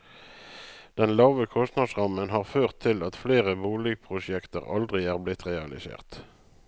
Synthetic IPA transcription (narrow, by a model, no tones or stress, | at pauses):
d̪̥ɛnlɑːʋəkʰɔst̪nɑd̪sʁɑmənɦɑːʁføːʁt̪ʰːɪlɑt̪fleːʁəbuːlɪɡ̚pʰʁʊʃɛkt̪ə̰ʁɑ̰ld̪ʁɪæːʁblɪt̪ʁɛɑlɪ̰sḛːʁt̪